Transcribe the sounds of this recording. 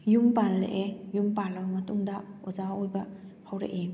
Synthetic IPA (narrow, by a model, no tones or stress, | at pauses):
jumpallḛʔejumpalamatuŋdaɔzaojbɐ | pʰawɾḛʔe